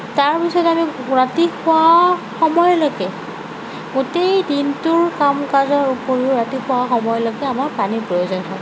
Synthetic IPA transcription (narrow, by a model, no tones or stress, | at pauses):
taɹpisɔtamiɹatixʊaxɔmɔjlɔkɛ | ɡotejdintʊɹkamkazɔɹupoɹiʊɹatixʰʊwaxɔmɔjlɔkɛamaɹpanipɹɔjozɔnɦɔj